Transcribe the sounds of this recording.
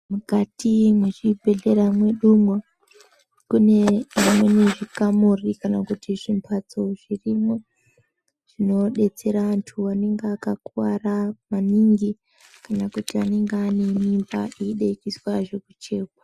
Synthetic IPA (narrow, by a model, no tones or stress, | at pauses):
mukatimweʐibʱe̞ɮe̞ɾamwe̞ɗumwa | kune̞ʐimwe̞neʐikamorikanakutiʐimpʰat͡so̞ʐ̥irimo | ʐ̥ino̞ɗe̞t͡se̞ɾaantʰuane̞ŋɡeakakuwaramaniŋɡi | kanakutiane̞ŋɡeane̞nimba̰iɗeikiswaʐe̞kut͡ʃe̞ːkwa